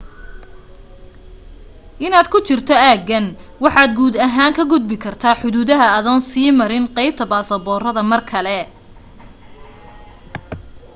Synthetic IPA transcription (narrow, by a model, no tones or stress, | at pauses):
ʔɪnaːd̪kʰʊt͡ʃɪrt̪ʰɔaːɡɐn | wɑħɑːd̪ɡuːd̪ɐɦaːŋkʰɐɡʊd̪̚bɪkʰɐrt̪ʰaːħʊðuːðɐɦɐɐðɐnsiːmɐɾɪnqɛjb̚t̪ʰɐbaːsɐbɔːrɐðɐmɐrkʰɐlɛ